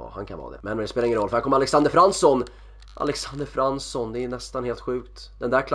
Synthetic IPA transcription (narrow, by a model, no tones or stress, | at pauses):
ha̰nkʰa̰nvɑ̰ːd̪ɛ̰mɛnspeːaɪŋənɾɔlːœəhæɾkɔməɾalɛksand̪əɾfɾansɔn | ʔa̰lɛksand̪əɾfɾansɔnd̪ɛːnɛst̪anheːlt̪ɧʉ̟ːkt̪ | d̪ɛnd̪ækʰl